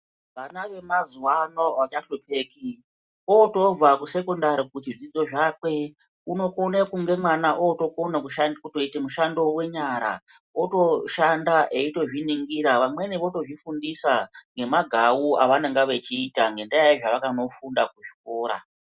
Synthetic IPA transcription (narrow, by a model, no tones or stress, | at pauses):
ʋanaʋe̞mazuwanoat͡ʃaʃope̞ːki | oto̞b͡vakuse̞kondaɾikut͡ʃiʐid͡zo̞ʐakwe̞ | uno̞konekuŋɡe̞mwanaʔoto̞konekuʃankuto̞itemuʃando̞we̞ɲaɾa̰ | oto̞ʃandaʔeito̞ʐiniŋɡiɾaʋamwe̞niʋo̞to̞ʐifundisaŋɡe̞maɡʱawua̰ʋaneŋɡaʋe̞t͡ʃiːtaŋɡe̞ndaaiʐaʋakano̞fundak̚uʐi̥ko̞ːɾa̰